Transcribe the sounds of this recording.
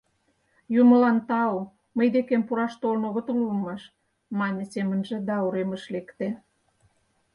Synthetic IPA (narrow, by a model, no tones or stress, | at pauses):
jumə̆lɑnt̪ɑo | məjd̪ekempuɾɑʃt̪olnoɣŏt̪oluəmɑʃ | mɑnʲəsemənʒĕd̪ɑuɾemə̆ʃlekt̪e